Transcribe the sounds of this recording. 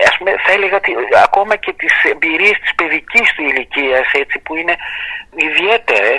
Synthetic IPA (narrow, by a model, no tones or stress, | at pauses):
ɐspume̞θɐe̞le̞ɣɐot̪iɐ̰ko̞mɐce̞t̪ise̞mbiɾie̞st̪i̥spe̞ðicist̪uiliciɐse̞t͡sipuine̞iðie̞t̪eɾe